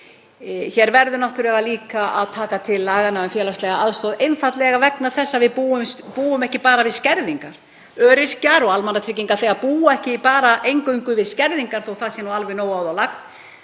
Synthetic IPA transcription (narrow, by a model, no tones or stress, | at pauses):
çɛːɾvɛɾðʏnaht̪ʏɾɛvaliːkaʔa̰ðt̪ʰaːkat̪ʰɪlːaːɣanaʏmfjɛːlast̪lɛɣaaðst̪oðejnfat̪lɛɣavɛknaɾθɛsːavɪðpuːʏmspuːʏmɛhcɪpaːɾavɪðscɛɾðiŋkaɾ̥ | œːɾɪr̥caɾɔɣalmanat̪ʰɾiciŋkaɾθeɣaðpuːaɛhcɪipaːɾaʔejŋkœɥŋkʏvɪðscɛɾðiŋkaɾ̥θowθaðsjɛnualvɪnoːwaːwðawlak̚t̪